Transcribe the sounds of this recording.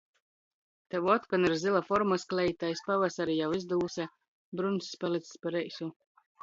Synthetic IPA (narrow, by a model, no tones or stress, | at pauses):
t̪ɛwɔt̪kaniɾzilˠafɔɾmasklʲɛjit̪ajspavasaɾijawizd̪uːsɛ | bɾunsʲpalit̪sʲspaɾɛjsʲu